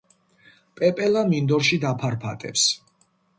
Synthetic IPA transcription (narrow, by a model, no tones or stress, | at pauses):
pʼɛpʼɛlamind̪ɔɾʃid̪apʰaɾpʰa̰t̪ʼɛ̰ps